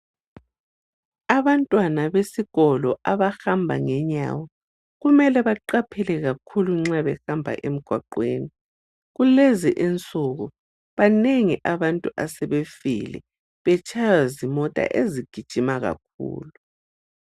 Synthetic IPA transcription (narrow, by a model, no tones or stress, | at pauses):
aβantʼwanaβesiɣɔlɔʔaβaxambʱa̰ŋɛɲa̰wɔ | ɣumɛlɛβaǃapʰɛlɛɣakʰuluŋ͡ǁaβɛxambʱa̰ʔem̩ɡ̥ʱwaǃweːni | ɣuleziʔint͡sʼuɣu | βaneŋiʔaβantʼuʔasɛβefḭlɛ̰ | βɛt͡ʃʰʼajazimɔtʼa̰ʔeziɡ̥ʱid̥ʒ̥ʱimaɣa̰k̚ʰṵːlu